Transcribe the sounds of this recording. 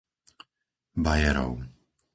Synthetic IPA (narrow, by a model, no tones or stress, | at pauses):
bajɛɾɔ̰ʊ